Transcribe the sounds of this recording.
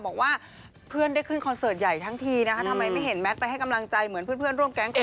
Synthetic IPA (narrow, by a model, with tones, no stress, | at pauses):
bɔː˨˩k̚waː˥˩ | pʰɯ˥˩ənda˥˩jkʰɯ˥˩nkʰɔ˧nsɤː˨˩t̪̚ja˨˩jt̪ʰa˦˥ŋt̪ʰiː˧na˦˥a˦˥t̪ʰa˧mːa˧jma˥˩jɦe˩˦nmɛ˦˥t̪̚pa˧jɦa˥˩jka˧mla˧ŋt͡ɕa˧jmɯ˩˦npʰɯ˥˩˨npʰɯ˥˩ənɾu˥˩mkɛ˦˥ŋ